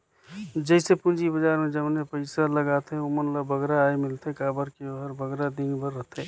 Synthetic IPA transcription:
d͡ʒəsepũnd͡ʒibəd͡ʒaɾmed͡ʒəmnepəɪsaləɡat̪eomənlabəɡɾaːjmɪlt̪ekabəɾkeoɦəɾbʱəɡɾad̪ĩŋɡbəɾːəɦt̪ʰe

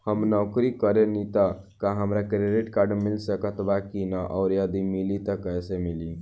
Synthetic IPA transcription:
həmnɔʊkɾikəɾenit̪ə | kaɦəmɾakɾeɖeʈkaɾɖmilsəkət̪bakinəʔɔʊɾjəd̪imilit̪əkəjsemili

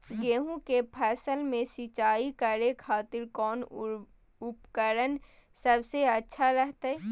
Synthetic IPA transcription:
ɡeːɦũkepʰɛːsəlmẽsɪt͡ʃaːikəɾekʰaːt̪ɪɾkɔːn | ʊpkəɾən | səbseɐtːʃʰaɾəɦt̪aɛ

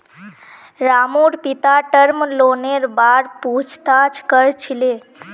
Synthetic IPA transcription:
ɾamuɾpit̪aʈəɾmloneɾbaɾpud͡ʒt̪at͡ʃʰkəɾt͡ʃʰile

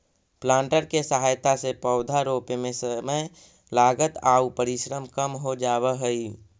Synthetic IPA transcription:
plãːɳʈəɾkesəɦaːjt̪asepəʊd̪ʱaɾoːpmẽsəməj | laːɡət̪aːupəɾɪʃɾəmkəmɦod͡ʒaːwəɦəi

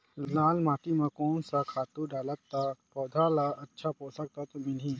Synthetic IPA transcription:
laːlmaːt̪imãkɔːnsakʰaːt̪uɖaːlat̪ːapɔːd̪ʱalaːlʔɐtːʃʰapoːsək̚t̪at̪omẽnɦĩ

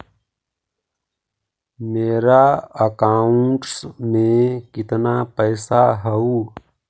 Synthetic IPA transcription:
meːɾaɐkaːuɳʈsmẽkɪt̪napəjsaɦəuː

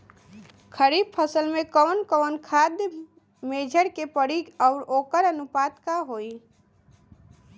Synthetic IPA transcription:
kʰəɾiːb̚pʰəsəlmẽkɔwnkəːnkʰaːd̪j | meːd͡ʒʱəɾkepəɽiɔʊɾoːkəɾənʊpaːt̪kaɦoːi

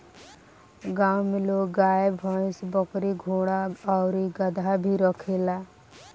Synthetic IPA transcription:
ɡaːwmɪloɡaːebʱɔ̃sbɔkɾiɡʱoːɽ̃aɔːɾiɡəd̪ʱabʱiɾɔkʰelaː

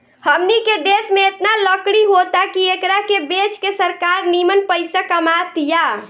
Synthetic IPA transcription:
həmniked̪esmeet̪naləkɽiɦot̪akiekɾakebet͡ʃkesəɾkaɾnimənpəjsakəmat̪ja

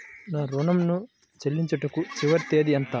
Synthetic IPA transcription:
naːɾunɐmnu | t͡ʃelːiɲt͡ʃɐʈɐkut͡ʃiʋɐɾt̪eːd̪iɐnt̪a

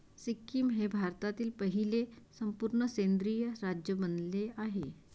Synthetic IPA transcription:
sikːimɦebʱaɾt̪at̪iːlpəɦilesəmpuːɾɳəsend̪ɾijəɾad͡ʑjəbənleaɦe

